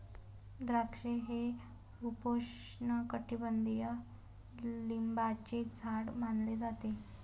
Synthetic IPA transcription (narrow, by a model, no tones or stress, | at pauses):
d̪ɾakʂeɦe | upoʂ | ɳəkəʈibənd̪ijə | limbat͡ɕed͡zʱaɽmanled͡zat̪e